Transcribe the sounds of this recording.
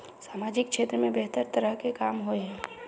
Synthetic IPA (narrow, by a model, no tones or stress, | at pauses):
saːmaːd͡ʒɪkkʃeːt̪ɾəmẽbɛɦt̪əɾt̪əɾəɦkekaːmɦoeɦɛ̃ː